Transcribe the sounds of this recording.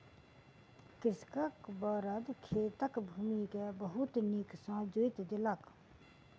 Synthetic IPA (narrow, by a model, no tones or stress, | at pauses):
kɪskakbaɾad̪kʰet̪akbʱumikɛbɐɦut̪niksãd͡ʑoet̪d̪elak